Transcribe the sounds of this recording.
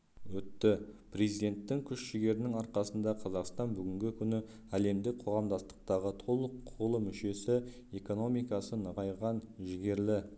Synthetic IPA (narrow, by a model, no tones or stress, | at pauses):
wɵt̪ːɪpɾe̞zijd̪e̞nt̪ːɪŋkʲʰʏʃʃɪɡʲe̞ɾɪnɪŋɑɾqɑsənd̪ɑqʰɑzɑqst̪ɑnbʏɡʲɪŋɡʲɪkʲʰʏnɪ | æle̞md̪ɪk̚qʰo̞ʁɑmd̪ɑst̪ə̥q̚t̪ɑʁət̪ʰo̞lˠəqʰːʊʁəlˠəmʏʃe̞sɪ | e̞ko̞no̞mijkɑsənəʁɑjʁɑnʒɪɡʲe̞ɾlɪ